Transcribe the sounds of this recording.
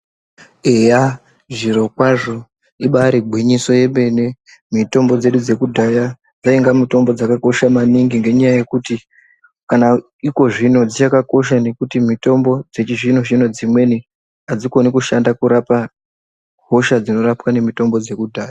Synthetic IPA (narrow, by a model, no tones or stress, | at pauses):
eja | ʐiɾo̞kwaʐo̞ | iɓaɾibʱwiɲiso̞je̞ɓe̞ne̞ | mito̞mbo̞d͡ze̞ɗud͡ze̞kudʱaja | d͡zaiŋɡamito̞mbo̞d͡zakako̞ʃamaniŋɡiŋɡe̞ɲajaje̞kuti | kana | iko̞ʐino̞d͡zit͡ʃakako̞ʃ̬ane̞kutimito̞mbo̞d͡ze̞t͡ʃiʐin̤o̞ʃino̞d͡zimwe̞ni | ad͡ziko̞nikuʃandakuɾapa | ɦo̞ʃad͡zino̞rapwane̞mito̞mbo̞d͡ze̞kudʱaːja